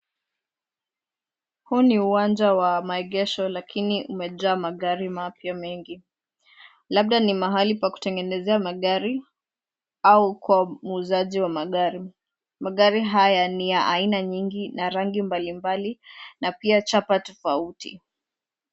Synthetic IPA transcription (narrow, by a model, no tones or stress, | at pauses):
huniuwand͡ʒawamaɛɠɛʃɔlakʰiniʔumɛʄaːmaɠaɾimapjamɛŋɡi | laɓ̚ɗanimaɦalipaku̥tɛŋɡɛnɛzɛamaɠaɾi | aukwamuːzaʄiwamaɠaɾi | maɠaɾiɦajanijaʔainaɲiŋɡinaɾaŋɡimbalimbalinapiat͡ʃapatɔfautḭ